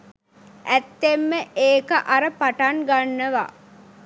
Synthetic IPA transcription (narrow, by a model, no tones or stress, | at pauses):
ʔæt̪ːemːəʔeːkəʔaɾəpaʈanɡanːəʋa̰